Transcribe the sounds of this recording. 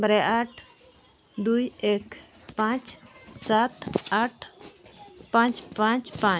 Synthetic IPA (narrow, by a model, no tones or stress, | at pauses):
bɾɛʔaʈʰ | d̪ujɛk | pãt͡ʃsat̪aʈʰ | pãt͡ʃpãt͡ʃpã